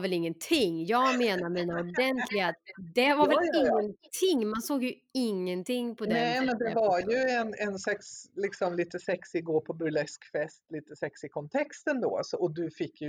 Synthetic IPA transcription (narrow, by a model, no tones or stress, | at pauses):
vɛlɪŋːənt̪ʰɪŋːjɑːɡmeːnaɾmiːnaɔd̪ɛnt̪ʰlɪɡat̪d̪ɛvaɾvɛlɪŋːənt̪ʰɪŋːmansoːɡjɵ | ɪŋːənt̪ʰɪŋːpʰɔdnɛɛmɛnd̪ɛvaɾjɵɛnɛnsɛkslɪksɔmliːt̪əsɛksɪɡoːɾpʰɔbɵlɛskfɛst̪liːt̪əsɛksɪkʰɔnt̪ʰɛkst̪ənd̪o̰a̰sɔɔd̪ɵfɪkːjɵ